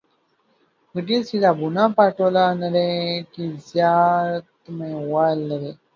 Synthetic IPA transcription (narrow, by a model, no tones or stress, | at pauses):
kəʈisid̪abunãːpaʈolanəɾekizjat̪mewalːəɾe